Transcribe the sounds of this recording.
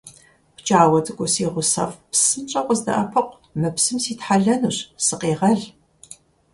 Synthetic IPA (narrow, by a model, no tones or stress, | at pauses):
pt͡ʃʼaːwɐtʼɨkʷʼʊsiːʁʷʊsɐ̰fpsɨnt͡ʃʼɐqʷʼɔzdɐ̰ʔɐpʰɐqʷ | mɨpsɨmsiːtħaɮɐnuɕsɨqeːʁɐɮ